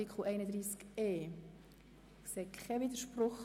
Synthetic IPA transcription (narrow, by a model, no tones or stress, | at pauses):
ikʰχl̩ɛɪnəd̪ɾiːskeː | seːkʰχɛvid̪əɾʃprʊχ